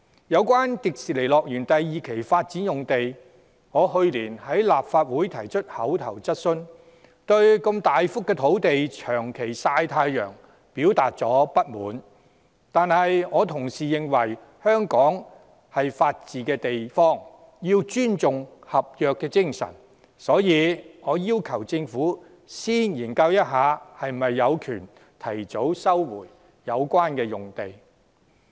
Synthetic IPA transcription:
jɐ˨˧wkʷaː˥nt̪i˨k̚siː˨le˨˩lɔː˨k̚jyː˨˩nt̪ɐ˨jːiː˨kʰe˨˩jfaː˧t̚t͡siː˨˥njʊ˨ŋt̪e˨j | ŋɔː˨˧ɦɵ˧ɥliː˨˩nhɐ˨˥jlaː˨p̚faː˧t̚wuː˨˥jt̪ʰɐ˨˩jt͡ʃʰɵ˥t̚hɐ˨˥wt̪ʰɐ˨˩wt͡sɐ˥t̚sɵ˥n | t̪ɵ˧ɥkɐ˧mt̪aː˨jfʊ˥kːɛː˧t̪ʰo˨˥wt̪e˨jt͡ʃʰœː˨˩ŋkʰe˨˩jsaː˧jt̪ʰaː˧jjœ̰ː˨˩ŋ | piː˨˥wt̪aː˨t̚t͡sɔ̰ː˨˥pɐ˥t̚mṵː˨˥n | t̪aː˨nhɐ˨jŋɔː˨˧t̪ʰʊ˨˩ŋsiː˨˩jɪ˨ŋwɐ˨˩j | hœː˥ŋkɔː˨˥ŋ | hɐ˨jfaː˧t̚t͡siː˨kɛː˧t̪e˨jfɔː˥˩ŋ | jiː˧wt͡ʃyː˥nt͡sʊ˨ŋhɐ˨p̚jœː˨kːɛː˧t͡sɪ˥ŋsɐ̰˨˩n | sɔː˨˥jiː˨˧ŋɔː˨˧jiː˥wkʰɐ˨˩wt͡sɪ˧ŋfuː˨˥ | siː˥njiː˨˩nkɐ˧wjɐ˥t̚ɦaː˨˧hɐ˨jm˨mɐ˨jːɐ˨˧wkʰyː˨˩n | t̪ʰɐ˨˩jt͡so˨˥wsɐ˥wwṵː˨˩jː | ɐ˨˧wkʷaː˥nkɛː˧jʊ˨ŋt̪e˨j

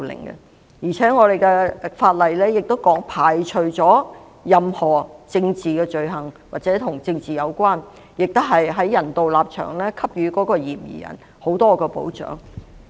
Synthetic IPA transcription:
lɪ̰˨˩ŋɡɛ̰˧ | jiː˨˩t͡sʰɛː˨˥ŋɔː˨˧ɾe˨jkɛː˧faː˧t̚lɐ˨jlɛ˥jɪ˨k̚t̪o˥wkɔː˨˥ŋpʰaː˨˩jt͡ʃʰɵ˨ɥt͡sɔː˨˥ | jɐ˨mhɔː˨˩t͡sɪ˧ŋt͡siː˨kɛː˧t͡ʃɵ˨ɥɦɐ˨˩ŋwaː˨t̚t͡sɛː˨˥t̪ʰʊ˨˩ŋt͡sɪ˧ŋt͡siː˨jɐ˨˧wkʷwaː˥n | jɪ˨k̚t̪ʊ˥wɦɐ˨jɦɐ˨˥jjɐ˨˩nt̪o˨wlaː˨p̚t͡ʃʰœ̰ː˨˩ŋlɛː˥kʰɐ˥p̚jyː˨˧kɔː˨˥kɔː˧jḭː˨˩mjḭː˨˩jɐ̰˨˩n | ho˨˥wt̪ɔː˥kɛː˧po̰˨˥wt͡ʃœ̰ː˨˥ŋ

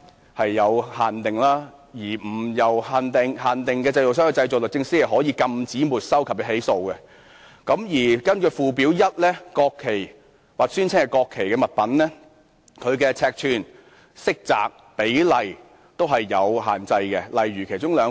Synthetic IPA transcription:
hɐ˨jːɐ˨˧whaː˨nt̪ɪ˨ŋlaː˥jiː˨˩m̩˨˩jɐ˨˩whaː˨˩nt̪ɪ˨ŋhaː˨nt̪ɪ˨ŋkɛː˧t͡sɐ˧jo˨ws̬œː˥ŋhːt͡sɐ˧jt͡sɔː˨klɵ˨˩t͡sɪ˧ŋsi˥ɐ˨˩ɦɔː˨˥jiː˨˧kɐ˧mt͡siː˨˥muː˨t̚sɐ˥wkʰɐ˨p̚kɛ˧˥ɦe˨˥jso˧wkɛ˧ | kɐ˨˥mjiː˨˩kɐ˥nkɵ˧fuː˨˧p̬iː˨˥wjɐ˥t̚lɛː˥kɔː˧kʰːe˨˩j | waː˨˩k̚syː˥nt͡sʰɪ˥kɛ˧kɔː˧kʰːe˨˩jkɛː˧mɐ˨˩t̚pɐ˨˥nlɛː˥ | kʰɵ˨˧ɥkɛː˧t͡sʰɛː˧k̚tʰyː˧n | sɪ˥k̚t͡sa̰ː˨k̚ | pe˨˥jlɐ˨˩j | t̪o˥wɦɐ˨jːɐ˨˧wɦa̰ː˨nt͡sɐ˧jkɛ˧lɐ˨˩jɥyː˨˩kʰe˨˩jt͡ʃʊ˥ŋlœː˨˧

